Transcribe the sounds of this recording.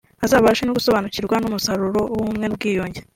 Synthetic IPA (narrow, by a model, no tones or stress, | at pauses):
azaːβaʃenoɡuso̞βaːnuciɾɡwanumusaɾuɾo̞wumŋe̞nubɡiːjoːɲɟe